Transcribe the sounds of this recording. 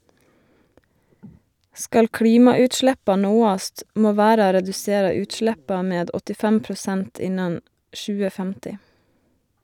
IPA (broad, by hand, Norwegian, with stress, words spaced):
ˈskɑl ˈkɽiːmɑʉːtˌʃlæpɑ ˈnoːɑst ˈmoː ˈʋæːɾɑ ɾɛdʉˈseːɾɑ ˈʉːtˌʃlæpɑ ˈmeːd ɔtɪˈfæm pɾʊˈsænt ˈɪnɑn ˈʃʉːə ˈfæmtɪ